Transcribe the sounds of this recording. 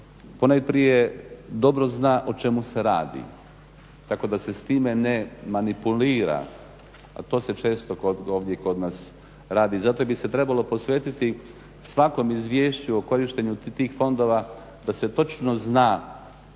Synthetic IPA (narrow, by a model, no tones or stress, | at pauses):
ponajpɾije̞d̪o̞bɾo̞znaːʔot͡ʃe̞muse̞ɾaːd̪ḭ | t̪ako̞d̪ase̞st̪iːme̞nemanipuliːɾa̰ | a̰t̪o̞ːse̞t͡ʃe̞ːst̪okoo̞ːʋd̪je̞ko̞d̪naːs | ɾaːd̪izat̪obise̞t̪ɾebalˠo̞po̞sʋeːt̪it̪i | sʋako̞mizʋjeːʃt͡ɕuoko̞ɾiʃt̪e̞ɲut̪iːxfo̞nd̪o̞ːʋa | d̪ase̞t̪o̞t͡ʃnoznaː